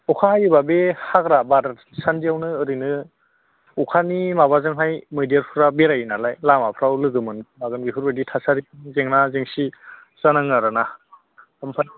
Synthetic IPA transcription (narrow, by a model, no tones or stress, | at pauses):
ɔkʰaajɯbabehaɡɾabaɾ | sandiawnɯɯɾɯjnɯ | ukʰanimaβazɯŋɦajmɯjdijaɾpʰuɾabeɾajnalajlamapʰɾawlɯɡɯmɯnbaɡɯnɡiɦuɾbeditʰasaɾiŋzeŋnazeŋsi | z̥anaŋaɾana | ampʰa